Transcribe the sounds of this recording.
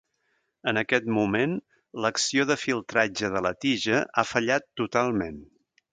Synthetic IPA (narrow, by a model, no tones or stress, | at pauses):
ənəkɛt̪mumen | ləksioðəfilˠt̪ɾad͡ʒəðələt̪iʒəʔafəʎat̪ːut̪alˠmen